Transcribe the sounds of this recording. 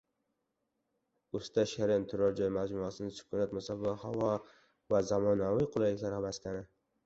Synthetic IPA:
ost̪aʃaɾɪnt̪ʰʊɾɒɾd͡ʒɒjmad͡ʒmʊasɪnɪsʊ̥kʰʊnat̪mʊsavahavɒ | vazamɒnavijqʰʊlˠajlɪkʲlaɾabask̪ʲanɪ

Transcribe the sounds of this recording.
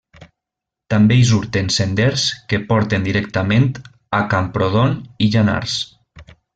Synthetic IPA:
t̪ambeiz̬uɾt̪ensend̪ɛɾskepɔɾt̪end̪iɾɛk̚t̪ament̪ | akampɾoð̞oniʒana̰ɾs

